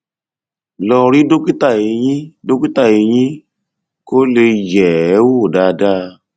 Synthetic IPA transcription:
lɔ˧ɾi˦do˦ki˦ta˦˨e˧jĩ˦do˦ki˦ta˦˨e˧j̃ĩ˦ | ko˦le˧jɛ˨˦wo˦˨da˧da˦

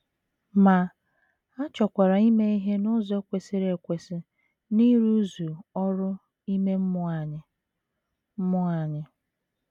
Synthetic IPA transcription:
ma˨ | a˦t͡ʃɔ˨kʷa˨ɾa˨i˦me˦i˦ɦe˦nʊ˦ze˦kʷe˨sɪ˦ɾe˨kʷe˨sɪ˨ | ni˦ɾu˦zu˨ɔ˦ɾʊ˦ | i˦me˦m̩˦m˦˨ɲ˨˦ | mʊ˦a˨ɲɪ˨

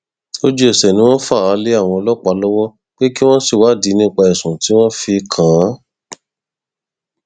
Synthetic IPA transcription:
o˦d͡ʒu˦ɛ˦˨sɛ˨nĩ˦w̃ɔ̃˦fa˦˨a˨˧˦le˦a˦˨w̃ɔ̃˧ɔ˧lɔ˦˨k͡pa˧˦lɔ˦wɔ˦ | k͡pe˦ki˦w̃ɔ̃˦si˦˨wa˨˦˨di˨˦nĩ˦˨k͡pa˧ɛ˨sũ˨ti˨˦w̃ɔ̃˦fi˧kʰã˨˦

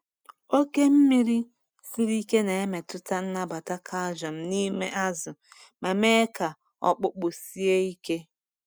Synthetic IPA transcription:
o˦ke˦m̩˦mi˦ɾi˦ | si˦ɾi˦ke˦ne˨e˦me˨tʊ˦ta˦n̩˦na˦ba˨ta˦kʰa˦ʒɔ˨m̩˦ni˦mḛ˦ʔa˦zʊ˨ | me˨me˦ka˨ | ɔ̰˦k͡pʊ˦k͡pʊ˨si˦e˦i˦ke˦

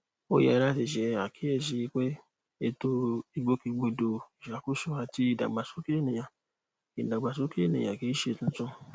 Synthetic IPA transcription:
o˦˨jɛ̰˨˧ɾa˦ti˨ʃɛ˨a˨kʰi˨˦ɛ˦˨ʃ̬i˧i˧˦k͡pe˦ | e˧to˧i˧ɡ͡bo˦ki˧ɡ͡bo˧do˨i˨ʃa˨˦ku˦so˦a˧ti˦i˦˨da̰˨ɡ͡ba˨so˦ke˦˨nĩ˨ja˨ | i˨da˨ɡ͡ba˨s̬o˦ke˦e˦nḭ̃˨a̰˨ki˨˦ʃe˧tũ˦t͡ʃɔ̃˦

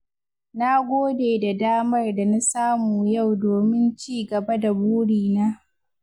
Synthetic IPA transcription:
na˦ɡʷoː˦deː˨da˨daː˦mɐ˦rda˨na˦saː˦muː˨ja˦˨wdoː˨mɪ˦nt͡ʃiː˦ɡɐ˨ba˦da˨buː˦ɽiː˨naː˦

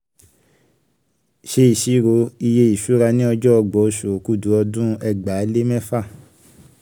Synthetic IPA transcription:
ʃe˧˦i˨ʃi˨˦ɾo˧˦i˧je˧i˨ʃu˨˦ɾa˧nĩ˦ɔ˧d͡ʒɔ˦ɔ˧ɡ͡bɔ˨o˧˨ʃo˨ku˦˨du˨˦ɔ˧dũ˦ɛ˧ɡ͡ba˨˦le˦mɛ̃˦fa˦˨

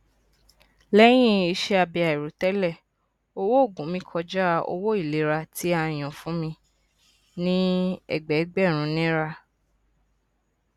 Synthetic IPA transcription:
lɛ˦j̃ĩ˦i˧ʃe˦a˧bi˧a˨i˨ɾu˨˦tɛ˦lɛ˦˨ | o˧wo˦o˦˨ɡũ˨˦mĩ˧kʰɔ˧d͡ʒa˦˧o̰˧wo˦i˦˨le˨˦ɾa˧tʰi˨˦a˧j̃ɔ̃˨fũ˨˦mĩ˧ | nĩ˦ɛ̰˦˨ɡ͡bɛ˨˦ɡ͡bɛ˦˨ɾ̃ũ˨˦nĩ˦ɾa˧

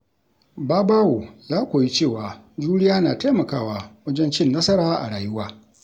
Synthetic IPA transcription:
baː˦baː˦wo˨jaː˦kʷoː˨ji˦t͡ʃeː˦˨waː˨d͡ʒuː˦ɽɪ˦jaː˦naː˨ta˦jmɐ˨kaː˦˨waː˨wɐ˦d͡ʒɛ˦nt͡ʃɪ˦nːɐ˦sɐ˦ɽaː˦ʔa̰˨ɽaː˨jʊ˦waː˦

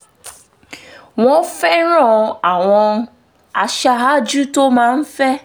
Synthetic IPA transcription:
ŋʷɔ̃˦fɛ˦ɾɔ˦˨a˨ŋʷɔ̃˦ | a˨ʃa˨ɦa˦d͡ʒu˦to˦mã˨m̩˦fɛ˦

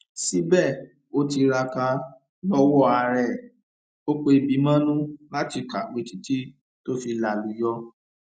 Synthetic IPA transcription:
si˨˦bɛ˦˨ | o˦ti˧ɾa˧ka˧ | lɔ˦wɔ˦˨a˧ɾɛ˦˨ | o˦k͡pe˧i˨bi˨˦mã˦nũ˦la˦ti˦˨ka˨ɡ͡be˨ti˨ti˦ | to˦fi˧la˨lu˨jɔ˧˦

